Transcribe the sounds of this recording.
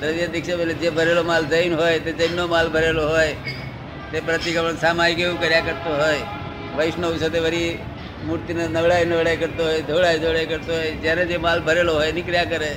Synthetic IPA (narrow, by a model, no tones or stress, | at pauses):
t̪əɾʋied̪ɪkʰʃebeled͡ʒebʱəɾeːlomaːlzəjnɦoːjt̪ed͡ʒəjnːomaːlbʱəɾeloɦoːe | t̪epɾət̪ikəʋəɳsaːmaːikeũkəɾjakəɾt̪oɦoːje | ʋəɪʃnousot̪eʋəɾi | muɾt̪inenəʋɽaːinəʋɽaːkəɾt̪oɦoːed̪ʱoːɽaːjd̪ʱoːɽajkəɾt̪oɦoed͡ʒaːned͡ʒemaːlbʱəɾeːloɦoːenɪkɾjakəɾe